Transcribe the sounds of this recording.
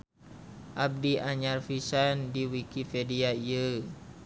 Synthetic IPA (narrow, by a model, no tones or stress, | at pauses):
ʔab̚diʔaɲarfisandiwikipediaiə